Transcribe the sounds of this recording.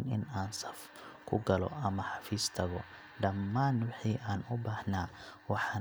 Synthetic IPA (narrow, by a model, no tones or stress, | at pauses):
nɪ̰naːnsɐf | kʰʊɡɐlɔ̰ʔɐmɐħɑfiːst̪ʰɐɣɔ | ɖɐmːaːnwɪħiːʔaːnʊbaːhnaː | wɑħɑ